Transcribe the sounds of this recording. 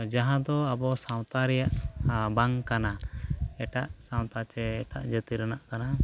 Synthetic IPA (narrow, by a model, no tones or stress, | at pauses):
d͡ʒaɦãd̪ɔabɔsãw̃t̪aɾɛjaʔbaŋkanaɛʈaʔsãw̃t̪at͡ʃɛɛʈa̰ʔd͡ʒət̪iɾənaʔkana